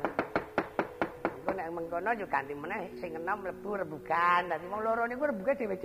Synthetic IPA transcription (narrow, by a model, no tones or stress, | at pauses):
nikunɛʔməŋkɔnɔd͡ʒukant̪imɔnɛhsɪŋːənɔmləb̥urəbukant̪at̪imɔŋloɾɔnikurəbukad̥e̤wed͡ʒ